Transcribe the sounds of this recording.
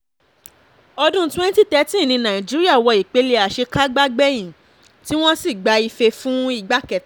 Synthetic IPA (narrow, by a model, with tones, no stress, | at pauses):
ɔ˧dũ˦twɛ̃˦n˦ti˦tɛ˦˧˦tĩ˦˨nĩ˧nã˨ĩ˨d͡ʒi˦ɾi˦a˦˨wɔ˧i˨k͡pe˨˧˦le˧a˨ʃe˧ka˦ɡ͡ba˦ɡ͡bɛ˦j̃ĩ˨ | ti˦w̃ɔ̃˦si˦˨ɡ͡ba˨˦i˧fe˧fũ˦i˦˨ɡ͡ba˨˦kɛ˨